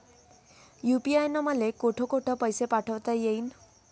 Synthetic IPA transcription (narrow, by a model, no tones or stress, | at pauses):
jupiajnɔmalekoʈʰɔkoʈʰəpəjsepaʈʰəwt̪ajein